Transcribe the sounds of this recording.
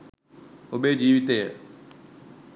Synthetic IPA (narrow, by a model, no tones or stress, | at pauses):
ʊɓeːd͡ʒiːʋɪt̪eː